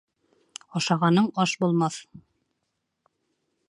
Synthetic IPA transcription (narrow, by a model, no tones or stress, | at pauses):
ɑʃɑʁɑnɤɴɒʃbulˠmɑθ